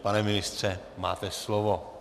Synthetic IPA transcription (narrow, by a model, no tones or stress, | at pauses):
panɛminist̪ɾɛ | ma̰ːt̪ɛslɔʋɔ